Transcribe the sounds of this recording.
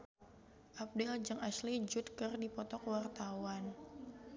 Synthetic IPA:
ʔap̚dɛld͡ʒəŋaslid͡ʒut̪̚kərdipɔt̪ɔkwart̪awan

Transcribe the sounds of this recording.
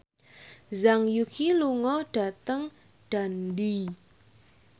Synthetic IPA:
zaŋjukʰiluŋɔɖ̥a̤t̪əŋ | ɖ̥a̤ndi

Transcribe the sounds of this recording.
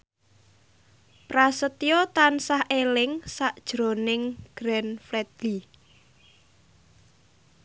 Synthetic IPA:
prasət̪ijɔt̪ansahʔelɪŋsaʔd̥ʒ̥ɾo̤nɪŋɡ̥ɾɛnflɛd̪li

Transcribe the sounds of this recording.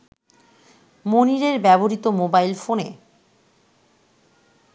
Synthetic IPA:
moniɾeɾbɛboɾit̪omobajlfonḛ

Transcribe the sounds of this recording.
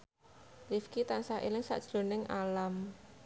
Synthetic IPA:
lifkit̪ansaʔelɪŋsa̰ʔd̥ʒ̥lo̤nɪŋʔalam

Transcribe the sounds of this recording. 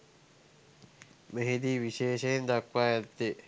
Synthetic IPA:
meɦid̪iːʋiʃeːʃeend̪akʋaːjat̪ːe

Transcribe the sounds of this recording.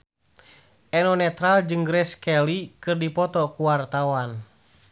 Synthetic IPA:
ʔɛnɔnɛt̪ɾald͡ʒɨŋɡɾɛskɛlikɨrdipɔt̪ɔkuwart̪awan

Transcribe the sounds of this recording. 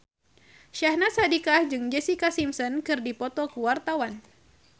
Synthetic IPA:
ʃahnasadikahd͡ʒɨŋd͡ʒɛsikasimsɔnkɨrdipɔt̪ɔkəwart̪awan

